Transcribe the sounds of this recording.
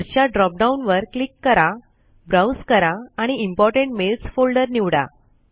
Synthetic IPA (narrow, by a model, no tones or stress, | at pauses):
ɾt͡ɕjaɖɾɔp̚ɖaunʋəɾklikːəɾa | bɾawskəɾaːɽ̃iimpɔɾʈẽɳʈmelsfolɖəɾniʋɽa̰